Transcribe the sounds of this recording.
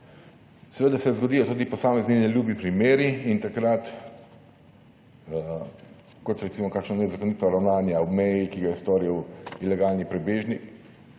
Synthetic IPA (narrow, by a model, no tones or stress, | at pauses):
sɛʋeːd̪asɛzɡɔd̪iːjɔt̪uːd̪ipɔsaːmɛzninɛljuːbipɾimeːɾiint̪akɾat̪ | kɔt̪ɾɛt̪simɔkaːkʃnɔnɛzakonit̪ɔɾawnaːnjaɔmɛjikiɡajɛst̪ɔɾiwilɛɡaːlnipɾɛbeːʒnik